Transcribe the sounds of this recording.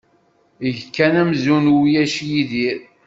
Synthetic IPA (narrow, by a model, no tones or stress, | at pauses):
ʝkːænæmzunwjæʃjiðiɾ